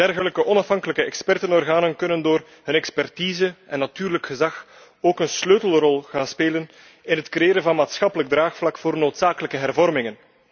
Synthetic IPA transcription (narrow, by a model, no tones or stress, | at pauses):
d̥ɛrɣələkəʔɔnɑfɦɑŋkələkəɛkspɛrtənɔrɣaːnənkɵnəndoːr | ɦɵnɛkspɛrtiːzəɛnːatyːrləkxəzɑx | oːkənsløːtəl̩ˠrɔlˠɣaːnspeːlən | ɪnɦətkrejeːɾənvɑnmaːtsxɑpələɡ̚draːxflɑkfoːrnoːtsaːkələkəɦɛrvɔrmɪŋən